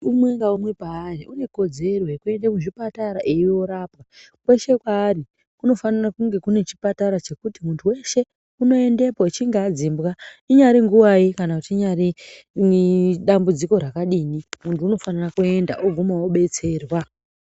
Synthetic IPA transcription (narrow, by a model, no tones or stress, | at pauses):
umwe̞ŋɡaumwe̞paːriʔune̞ko̞d͡ze̞roekue̞ndekuʐipataɾaʔiiwo̞ɾaːpka | kwe̞ʃe̞kwaːri | kuno̞fanarakuŋɡe̞kune̞t͡ʃi̥pataɾat͡ʃe̞kutimuntʰuwe̞ʃe̞ | uno̞e̞nde̞poit͡ʃiŋɡaːd͡zimbɣaiɲaɾiŋɡuwaikanakutiːɲaɾi | ɗambud͡ziko̞ɾakaɗiːnimuntʰuːno̞fanarakue̞nda̰ʔoɡʱumawoɓe̞t͡se̞ːrwa